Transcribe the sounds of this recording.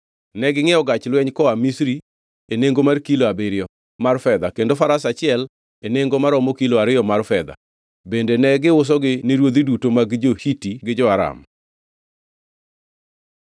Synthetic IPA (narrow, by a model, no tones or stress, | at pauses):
nɛɡɪŋɛɔɡat͡ʃlwɛɲkɔamisɾi | eneŋɡomarkiloabeɾɪɔ | marfɛd̪akendofaɾasat͡ʃɪɛl | eneŋɡomaɾɔmokiloaɾɪjɔmarfɛd̪a̰ | bendenɛɡɪʊs̬ɔɡɪneɾwod̪idutomaɡd͡ʒohitiɡɪd͡ʒɔaɾa̰m